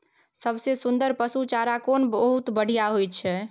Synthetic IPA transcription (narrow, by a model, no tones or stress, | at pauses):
səbsesund̪əɾpəsut͡ʃaɾakonbəɦut̪bəɽ̤ijaɦojt͡ʃʰɛ